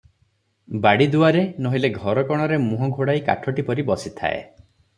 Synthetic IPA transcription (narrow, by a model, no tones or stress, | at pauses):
baɽid̪uaɾenoɦileɡʱɔɾɔkɔɽ̃ɔɾemuɦɔɡʱoɽajka̰ʈʰɔʈipɔɾibɔsit̪ʰa̰ḛ